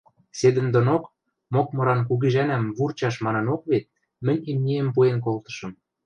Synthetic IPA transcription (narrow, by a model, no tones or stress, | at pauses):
sed̪ə̆nd̪ŏnok | mokmɤ̆ɾɑnk̬uɣiʒænæmβurt͡ɕɑʃmɑnɤ̆nokβet̪̚ | mɘ̆nʲimnʲiempuenk̬olt̪ɤ̥̆ʃɤ̆m